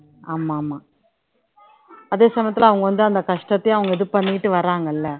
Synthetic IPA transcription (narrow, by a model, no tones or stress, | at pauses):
aːmaːmaː | ɐðeːsɐmɐjɐt̪ːɪlɐʋɐŋɡɐʋɐnd̪ɯɐnd̪ɐkɐʂʈɐt̪ːɐj̃ɐʋɐŋɡɐɪðɯpɐɳːɪkɪʈːɯʋɐɾaːŋɡɐɪlːɐ